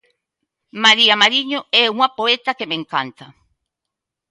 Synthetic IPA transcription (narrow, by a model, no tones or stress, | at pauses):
maɾiamaɾiɲoɛuŋapoɛt̪akemẽŋka̰nt̪a